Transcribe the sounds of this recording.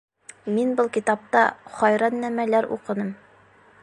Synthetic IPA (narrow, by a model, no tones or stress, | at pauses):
minbɤlˠkit̪ɑp̚t̪ɑχɒjɾɑnːæmælæɾṵqɤ̆nɤm